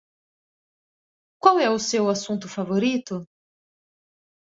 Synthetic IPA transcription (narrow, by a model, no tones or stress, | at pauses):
kwawɛʊsewasũnt̪ʊfavoɾit̪ʊ